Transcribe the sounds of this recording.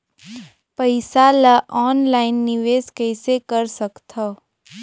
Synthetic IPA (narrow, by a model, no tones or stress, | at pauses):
pəɪsalaʔɔːnlaːɪnːɪʋeːskɛːsekəɾsəkt̪a